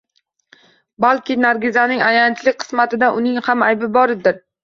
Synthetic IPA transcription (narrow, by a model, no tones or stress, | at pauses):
balˠkʲɪnaɾɡʲɪzanɪŋajant̪ʰlɪkʲqʰɨ̥smat̪ʰɪd̪aʔʊnɪŋhamajbɪbɒɾɪd̪ɪɾ